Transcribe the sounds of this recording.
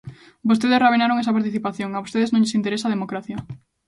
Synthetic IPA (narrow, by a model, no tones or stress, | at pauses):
bost̪eðesraβenaɾoŋesɐpaɾt̪iθipaθjoŋaost̪eðeznõɲʎɪsint̪eɾesaðemokɾaθjɐ